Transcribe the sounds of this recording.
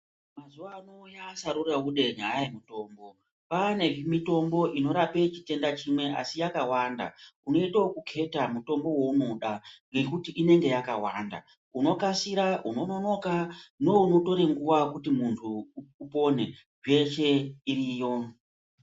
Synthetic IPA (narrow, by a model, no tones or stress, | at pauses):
mazuʋanojasaɾurauɗe̞ɲajaje̞mito̞ːmbo̞ | pane̞mito̞mbo̞ʔino̞ɾape̞t͡ʃi̥te̞ndat͡ʃimwe̞ʔa̰sijakawanda̰uno̞itaokukʰe̞tamuto̞mbo̞wo̞uno̞ɗaŋɡe̞kutiʔine̞ŋɡe̞jakawanda̰ | uno̞kasiɾaʔuno̞nono̞kano̞uno̞to̞ɾe̞ŋɡuʋakutimuntʰuːpo̞ne̞ | ʐe̞ʃe̞irijo̞